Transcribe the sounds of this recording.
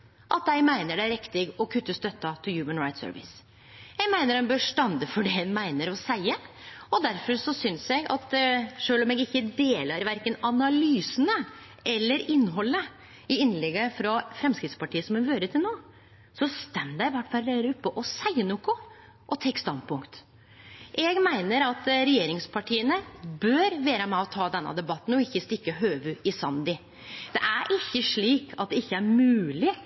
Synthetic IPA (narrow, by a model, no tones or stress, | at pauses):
ʔɑt̪jæɪmæɪnəɖɛæɾɪkt̪ɪɡɔkʰʉt̪ːəst̪œt̪ːɑt̪ʰɪljʉːmənɾaɪt̪sø̰ːɾʋɪ̰s | jæɡmæɪnəɾɛnbøːʂʈ̪ɑnd̪əfɔɖɛhɛnmæɪnəɾɔsæɪə | ɔd̪æɾfɔɾsɔsʏnsjɛɪɡɑ̰t̪ʂøːlɔmɛɡɪçːəd̪eːləɾʋæɾkənɑnɑlyːsənə | ɛlːəɾɪnːɦɔlːə | ɪɪnlɛɡːəfɾɑfɾɛmskɾɪt̪spɑʈʰiːəsɔmɛʋøːɾət̪ʰɪlnoː | sɔst̪ɛmd̪æɪʋæʈːfɑɾleɾəʉpːəʔɔsæɪənuːkʊ | ʔɔt̪ʰeːkst̪ɑnd̪̚pʰʊŋkt̪ | ʔɛɡmæɪnəɾɑt̪ɾɛjeːɾɪŋspʰɑʈʰiːənəbœɾʋeːɾəmɛɔt̪ʰɑːd̪ɛnːɑ̰d̪ɛbɑt̪ːn̩ɔɪçːəst̪ɪkːəɦøːʋʉɪsɑnd̪ɪ | d̪̥ɛ̰ʔæɾʔɪçːəʂɭiːkʰɑt̪̚d̪ɛɪçːəæɾmʉːlɪ